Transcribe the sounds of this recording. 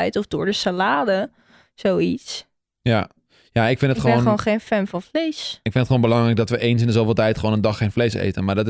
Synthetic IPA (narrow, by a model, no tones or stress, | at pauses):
ɛjtɔfdʊːɹdəsalaːdə | zowits | ja | jaɪkfɪnətχəʋoχnəʋonχejnfɛnfɑnflejsɪkfɪnətχəʋoːnmbəlɑŋrɛjk̚dɔtʋəʔejns̬ɪndəzowfɪːlˠtɛjtχəʋoːnəndɑχejnfleːsḛjtənmadɔt